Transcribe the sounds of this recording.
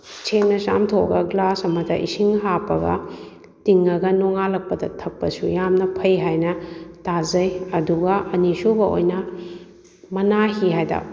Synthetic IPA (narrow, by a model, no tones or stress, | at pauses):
t͡ʃʰemnɐt͡ʃa̰mtʰoɐ̰ɡɐɡlasɐmɐtʰɐʔḭsiŋɦapɐɡɐ̰ | tiŋɐɡɐnoŋalɐk̚pɐdɐ̰tʰɐk̚pɐsujamnɐpʰɐjɦajnɐtazɐjɐduɡɐʔɐnisubɐo̰jnɐ | mɐnaɦiɦajda̰